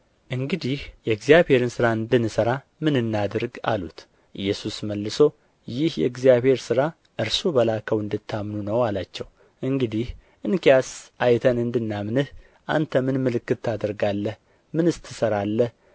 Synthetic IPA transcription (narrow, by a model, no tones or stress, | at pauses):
ʔɨŋɡɨd̪ihjɛɡzijaβhe̞ɾɨnsɨɾaɨnd̪ɨnːɨsəɾa | mɨnɨnːad̪ɨɾɡa̰lṵt̪ | ʔɨjːɛsusməlːɨso̞ | jɪhjɛ̰ɡzijaβhe̞ɾsɨɾa | ʔɨɾsobəlakʰəwɨnd̪ɨt̪ʰːamnunəwalat͡ʃːɛw | ʔɨŋɡɨd̪ih | ʔɨnkijasʔajt̪ʰənɨnd̪ɨnːamnɨh | ʔa̰nt̪ʰəmɨnmɨlɨkːɨt̪ʰːad̪əɾɡalːəh | mɨnɨst̪ʰːɨsəɾalːəh